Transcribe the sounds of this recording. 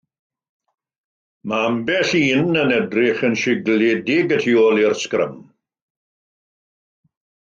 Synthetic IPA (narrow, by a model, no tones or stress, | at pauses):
maambɛɬiːnənɛdrɪχənʃɪɡledɪɡətʰiɔlɪrskrə̰m